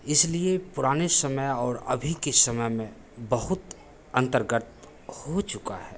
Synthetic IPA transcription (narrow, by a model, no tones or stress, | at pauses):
ɪsliepʊɾaːnesəməjɔːɾɐ̰bʱikesɐməjmẽ | bɐɦʊt̪ | ə̃nt̪əɾɡət̪̚ | hot͡ʃʊka̰hɛː